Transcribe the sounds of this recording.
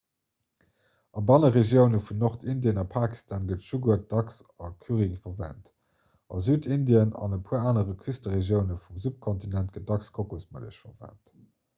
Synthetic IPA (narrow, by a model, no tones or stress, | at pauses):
ɑbɑnəʁeʒjəʊnəfunnoʁtindjənɑpʰaːki̥stʰaːnɡətʃuɡuɐt̚d̥ɑks | ɑkʰyʁiŋfɐʁvæ̰ːnt | ɑ̰zyːtʰindiənɑ̰nəpʰuːɐaːnəʁəkʰystəʁeʒjəʊnəfumzup̚kʰontinænt̚ɡ̥ət̚d̥ɑkskʰokosmə̰lə̰ʃfɐvæ̰nt